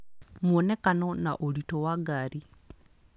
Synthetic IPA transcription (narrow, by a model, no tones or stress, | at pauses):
mwonekanonaʔolitowaɡaɾi